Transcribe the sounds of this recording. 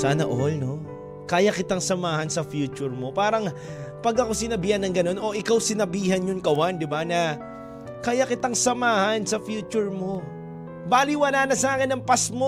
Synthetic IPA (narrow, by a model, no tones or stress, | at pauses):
saːnɐʔolno̞ | kaːjɐkɪt̪aŋsɐmaːhɐnsɐfjuːt͡ʃʊɹmo̞paːɾɐŋ | pɐɡɐko̞sɪnɐbiːhɐnːɐŋɡɐno̞no̞ʔɪkawsɪnɐbiːhɐnjʊnkɐwand̪ɪbanɐ | kajakɪt̪aŋsɐmaːhɐnsɐfjuːt͡ʃʊɹmo̞ | baːlɪwɐnaːnɐsɐʔaːkɪnɐŋpasmo